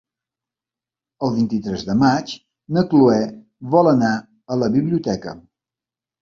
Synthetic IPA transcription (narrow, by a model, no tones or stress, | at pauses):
əlˠβint̪it̪ɾɛzðəmat͡ʃ | nəkluɛ | βɔləna | ələβiβliut̪ɛkə̰